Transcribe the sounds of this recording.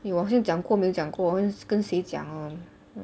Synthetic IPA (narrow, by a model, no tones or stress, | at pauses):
iwɔɕiŋt͡ɕjɑŋkwɔmit͡ɕjɑŋkwɔkənɕet͡ɕja̰ŋə